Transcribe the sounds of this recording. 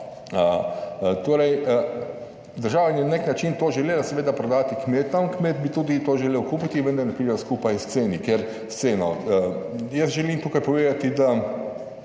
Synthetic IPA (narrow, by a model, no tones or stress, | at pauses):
ə | t̪oːɾɛjə | d̪əɾʒaːʋanʲɛnneknat͡ʃint̪oːʒɛleːlasɛʋeːd̪apɾɔd̪aːt̪ikmeːt̪t̪amkmeːt̪̚bit̪uːd̪it̪oːʒɛleːwkuːpit̪iʋənd̪ɐɾnɛpɾiɛskuːpajst̪seːnikeɾ | st̪seːnɔəjəsʒɛliːmt̪uːkajpɔʋeːd̪at̪id̪a